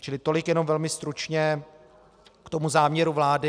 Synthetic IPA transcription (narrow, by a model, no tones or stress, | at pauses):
t͡ʃɪlɪt̪o̞lɪkjɛno̞mvɛlmɪst̪ɾut͡ʃɲɛ | kt̪o̞muzaːmɲɛɾuvlaːdɪ